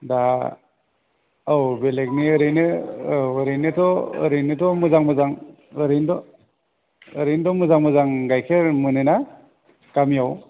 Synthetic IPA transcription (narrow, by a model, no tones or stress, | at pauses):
da | awbelek̚niɯɾɯjnɯ | ɯɾejnɯtɔɯ̰ɾɯjnitɔmuzaŋmɯzaŋ | ɯɾendɔ | ɯɾendɔmuzaŋmuzaŋɡajkʰeɾmɯnɯna | kamijaw